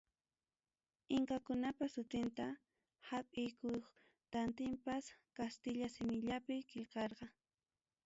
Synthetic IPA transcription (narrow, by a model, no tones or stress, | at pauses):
ɪŋkakʊnapasʊt̪ɪnt̪a | hapʼɪjkʊjχ | t̪ant̪ɪmpaskast̪ɪʎasɪmɪʎapɪkɪlkɑɾqɑ